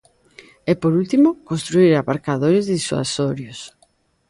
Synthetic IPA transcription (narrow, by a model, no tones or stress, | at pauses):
ɛpoɾult̪imokonst̪ɾuiɾapaɾkaðoɾɪzðiswa̰soɾjos